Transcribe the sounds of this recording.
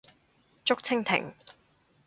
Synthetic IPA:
t͡ʃʊ˥k̚t͡sʰɪ˥ŋt̪ʰɪ̰˨˩ŋ

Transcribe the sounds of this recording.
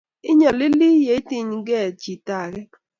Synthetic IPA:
ɪ˦ɲɔ˨lɪ˦li˦je˨˦ti˦ɲɡɛ˦˨t͡ʃi˨ta˨ɡɛ˦

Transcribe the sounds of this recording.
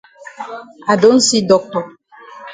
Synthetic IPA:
a˨ɖo˨˦n̩˦si˦ɖɔ˨k͡pɔ˨

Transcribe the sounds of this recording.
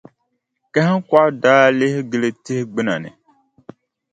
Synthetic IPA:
kɛ˦hkwa˦daː˦le˦hɡe˨le˦te˦hɡ͡bi˦na̰˨nɛ̰˨

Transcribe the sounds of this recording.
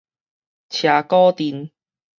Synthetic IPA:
t͡ɕʰjaː˨˧kɔː˥t̪iː˨˧n

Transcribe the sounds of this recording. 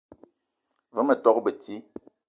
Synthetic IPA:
və˨˦mə˨tɔ˦kbə˨ti˦

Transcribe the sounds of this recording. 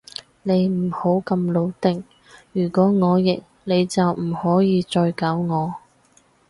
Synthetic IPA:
ne˨˧jm̩˨˩ho˨˥wkɐ˧mlo˨˧wt̪ɪ˨ŋ | jyː˨˩kʷɔː˨˥ŋɔː˨˧jɪ˨k̚ | ne˨˧jt͡sɐ˨wm̩˨˩hɔː˨˥jiː˨˧t͡ʃɔː˧jkaː˨˥wŋɔː˨˧

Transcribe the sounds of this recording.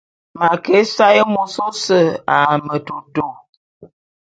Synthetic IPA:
ma˨ke˨˦sa˦jə˦mo˨so˦sə˦˨a˨mə˨to˨to˨

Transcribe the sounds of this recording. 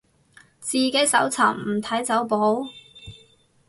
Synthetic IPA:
t͡siː˨ke˨˥jsɐ˨˥wt͡sʰa̰ː˨˩mm̩˨˩t̪ʰɐ˨˥jt͡sɐ˨˥wpo˨˥w

